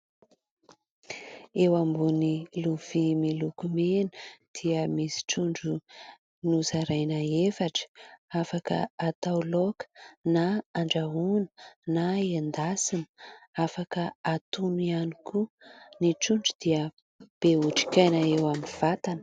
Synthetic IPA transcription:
ewambuniluv̥imilukumenəd̪̥iəmisi̥ʈ͡ʂuɳɖ͡ʐu | nuzaɾajnaefaʈ͡ʂə̥afakə̰at̪awlokə̥naaɳɖ͡ʐaɦunə̥naend̪asinafakəat̪unianikʰuniʈ͡ʂuɳɖ͡ʐud̪̥iə | b̥euʈ͡ʂi̥kʲajnaewamiv̥at̪anə

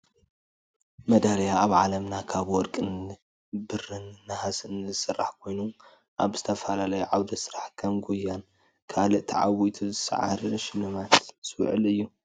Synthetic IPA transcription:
mɐd̪aljaaβʕalɐmnakʰaβwɔɾkʼɨn | bɨrɨnːɨhasɨnzɨsɨrːaħkʰo̞jnu | ʔaβzɨt̪ʰɐfɐlalɐjuʕawd̪ɐsɨɾaħkʰɐmɡujːan | kʰalɨʔt̪ʰɐʕa̰wit̪ʰuzɨsɐ̰ʕa̰ɾʃɪlːɨmat̪sw̰ʕɨ̰lɨjːu

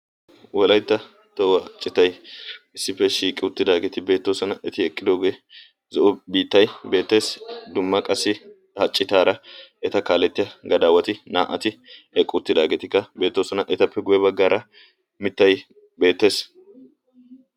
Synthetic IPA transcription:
wʔɔlɐjt̪ːɐ | t̪ɔwɐt͡ʃʼːɪt̪ɐjɪsːɪpːɛʃiːkʼɪʊt̪ːɪd̪aːɡeːt̪ɪbe̞ːt̪ːoːsɔnɐʔɛt̪ɪɛkʼːɪd̪oːɡjɛ | zɔʔʊbiːt̪ːɐjbe̞ːt̪ːe̞ːsd̪ʊmːɐkʼɐsːɪ | hɐt͡ʃʼːɪt̪aːɾɐɛt̪ɐkaːlɛt̪ːɪjɐɡɐd̪aːwɐt̪ɪna̰ːʔɐt̪ɪɛkʼːʊʊt̪ːɪd̪aːɡeːt̪ɪkːɐbe̞ːt̪ːoːsɔnɐʔɛt̪ɐpːɛɡʊjɛbɐɡːaːɾʔɐ | mɪt̪ːɐj | be̞ːt̪ːe̞ːs

